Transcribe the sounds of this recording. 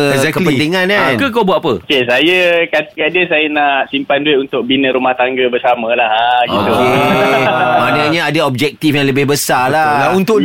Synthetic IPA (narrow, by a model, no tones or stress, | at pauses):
ɛzɛkəlpənt̪iŋãnankək̬obuaʔpəkesajəkat̪kadəsajənaʔsimpandueunt̪ʊk̚binə̃ɾumaht̪aŋɡəbəsamə̃lahaɡioe | manəɲaadaɔb̚d͡ʒɛk̚t̪ifjãŋləbɪhbəsalalaunt̪ʊʔ